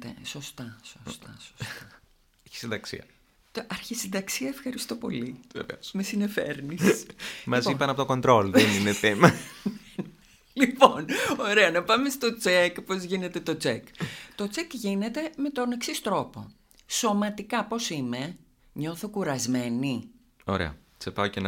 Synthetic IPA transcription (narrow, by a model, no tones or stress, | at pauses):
t̪ḛso̞st̪ɐsost̪ɐso̥sɐ | çi̥sind̪ɐksḭɐ | ɐɾçisid̪ɐksiɐefxɐɾist̪o̞po̞̰livḛvḛosmesine̞fḛɾnissmɐzipɐnɐpot̪oko̞nd̪ɾo̞lðenineθem | liponoɾe̞ɐnɐpɐme̞st̪o̞t͡sekpo̞zʝine̞t̪e̞t̪o̞t͡sekt̪o̞t͡sekʝine̞t̪e̞me̞t̪o̞ne̞ksist̪ɾo̞po̞̰ | so̞mɐt̪ikɐpo̞sime̞ | ɲo̞θokuɾɐzme̞ni | o̞̰ɾḛɐ̰ | t͡sepɐocenɐ